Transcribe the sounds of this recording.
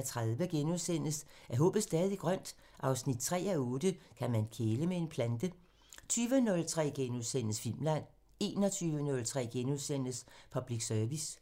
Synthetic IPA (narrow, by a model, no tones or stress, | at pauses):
t͡sʰʁaðˠʋəɡ̥enuðˠsen̰sæɐɦɔ̰ːb̥ð̩ˠsd̥ɛːðˠiɡ̥ʁɶn̰d̥ | ʔɑ̈ʊsnid̥̚t͡sʰʁɛ̰ːæɔ̽ːd̥əkʰæmænkʰeːləmee̝npʰlænd̥ə | t͡sʰyːʋənɔ̽lt͡sʰʁɛ̰ːɡ̥enuðˠsen̰ð̩sfil̰mlæn̰ | e̝ːnɒt͡sʰyːʋənɔ̽lt͡sʰʁɛ̰ːɡ̥enuðˠsen̰əspʰɒ̽b̥liɡ̥sœɐʋis